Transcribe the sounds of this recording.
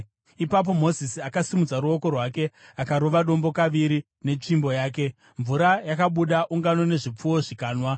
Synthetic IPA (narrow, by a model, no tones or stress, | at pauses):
ipap̬o̞mo̞zisiakasimud͡zaɾuo̞ko̞rwake̞akaɾo̞ʋaɗo̞mbo̞kaʋiɾi | ne̞t͡ʂimbo̞jaːk̬e̞ | ɱvuɾajakaɓuɗaʔuŋɡano̞ne̞ʐip͡fuwo̞ʐikaːnwa